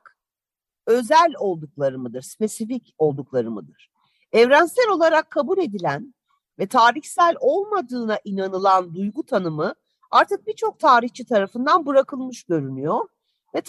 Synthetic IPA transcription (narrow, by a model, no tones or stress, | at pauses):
k | ø̞zælʲo̞lˠd̪uklˠaɾɯmɯd̪ɯɾspe̞sifico̞lˠd̪uklˠaɾɯmɯd̪ɯɾ̥ | ɛvɾænsɛɾo̞lˠaɾakʰːabulʲe̞d̪ilʲæn | vɛt̪ʰaːɾiçsælʲo̞lˠmad̪ɯːnaʔinanɯlˠand̪ujɡut̪ʰanɯmɯ | aɾt̪ʰɯk̚bit͡ʃʰo̞k̚t̪ʰaːɾiçt͡ʃʰit̪ʰaɾafɯnd̪anbɯɾakʰɯlˠmɯʃɟø̞ɾynyjoɾ̥ | vɛt̪